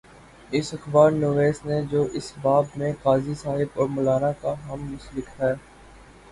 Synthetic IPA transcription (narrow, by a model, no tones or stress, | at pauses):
ɪsɐxbaːɾnoːʋeːsned͡ʒoːʔɪsbaːbmẽqaːzisaːɦɪbɔːɾmʊlaːnakaɦɐmːʊslɪkɦɛː